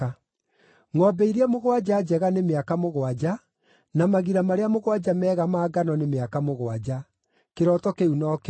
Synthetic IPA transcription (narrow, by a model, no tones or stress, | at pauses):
ŋɔbɛiɾeamoɣwad͡ʒaːd͡ʒɛɣanemeakamoɣwad͡ʑa | namaɣiɾamaɾeamoɣwad͡ʒamɛːɣamaːɡanɔnemeakamoɣwad͡ʑa | keɾɔtɔkeunɔːk